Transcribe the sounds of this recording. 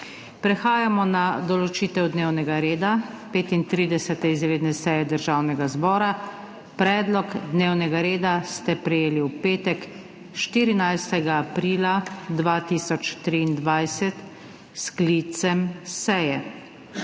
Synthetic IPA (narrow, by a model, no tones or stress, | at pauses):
pɾɛxaːjamɔnad̪ɔlɔt͡ʃiːt̪ɛwd̪neːwnɛɡaɾeːd̪a | peːt̪int̪ɾiːd̪ɛsɛt̪ɛizɾeːd̪nɛsɛjɛd̪əɾʒaːwnɛɡazbɔːɾa | pɾɛːd̪lɔkd̪neːwnɛɡaɾeːd̪ast̪ɛpɾɛjeːliwpeːt̪ɛk | ʃt̪iːɾinajst̪ɛɡaːpɾiːlad̪ʋaːt̪iːsɔt͡ʃt̪ɾiːnd̪ʋajsɛt̪ | sklit̪sɛmsɛjɛ